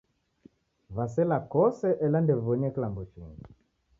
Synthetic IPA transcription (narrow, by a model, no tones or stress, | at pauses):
βasɛlakɔsɛʔɛlandɛvɔɲɛklambuʃiŋɡi